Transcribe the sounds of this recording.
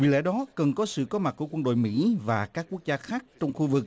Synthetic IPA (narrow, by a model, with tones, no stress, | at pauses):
wḭ˧˨lɛ̰˧˥ɗɔ˨˦kə˨˩nkɔ˨˦sɨ̰˧˨kɔ˨˦ma˨˩ku˧˩əkwə˧nɗo̰˧˨jmḭ˧˥vaː˨˩kaː˦˥k̚ːu˦˥ək̚zaː˧xaː˦˥k̚t͡ɕɔ˧wŋ͡mxu˧vɨ˨˩k̚